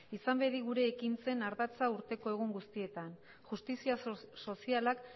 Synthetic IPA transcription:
isambe̞ðiɣuɾe̞ːkint͡se̞naɾðat͡sauɾt̪e̞ko̞e̞ɣuŋɡust̪ie̞t̪an | ʝust̪isiaso̞sialak

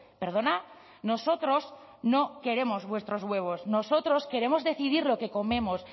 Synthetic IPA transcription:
pe̞ɾð̞o̞na | no̞so̞t̪ɾo̞s | no̞ke̞ɾe̞mo̞zβwe̞st̪ɾozɣwe̞β̞o̞sno̞so̞t̪ɾo̞ske̞ɾe̞mo̞zðe̞θiðiɾlo̞ke̞ko̞mẽ̞mo̞s

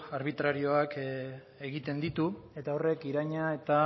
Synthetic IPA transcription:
aɾβ̞it̪ɾaɾio̞ak | e̞ɣit̪e̞nd̪it̪ue̞t̪ao̞re̞kiɾaɲae̞t̪a

